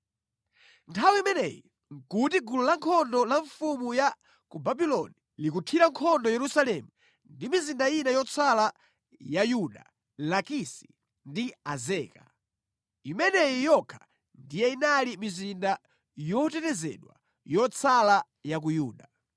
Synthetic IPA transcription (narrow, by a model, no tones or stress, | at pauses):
ntʰawiimɛnɛ̰ji | ŋkutiɡululaŋkʰɔndɔlaɱfumuja | kubabilɔni | likutʰiɾaŋkʰɔndɔjɛɾusalɛmu | ndimizindajinajɔt͡sʰala | jajuɗa | lakisi̥ | ndiazɛːka̰ | imɛnɛjijɔkʰḁ | ndijɛinalimizinda | jɔtɛtɛzɛ̰ɗwa̰ | jɔt͡sʰala | jak̬ujuːɗa